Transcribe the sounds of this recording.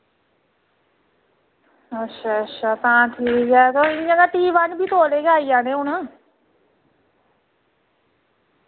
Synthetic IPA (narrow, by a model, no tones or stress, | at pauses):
ətːʃʰaːətʃʰaːt̪ãːʈʰiːkɡɛːt̪oːɪnɪjãːɡ̪aːʈiːʋaːnbʱiːt̪oːleːɡaːijaːneːʊn